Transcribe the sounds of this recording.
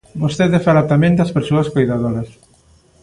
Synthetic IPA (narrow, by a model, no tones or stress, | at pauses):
bost̪eðefaɾat̪amẽnd̪ɐspeɾsoɐskojðaðoɾɐs